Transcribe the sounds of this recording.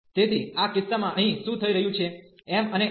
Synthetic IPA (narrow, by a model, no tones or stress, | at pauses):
t̪et̪ʰiakɪsːamãʔəɦĩʃũt̪ʰəiɾəɦjũt͡ʃʰeːməne